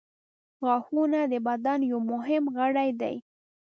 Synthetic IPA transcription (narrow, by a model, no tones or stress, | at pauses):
ɣɑxunad̪əbad̪anjawmʊɦɪmɣəɽajd̪a̰j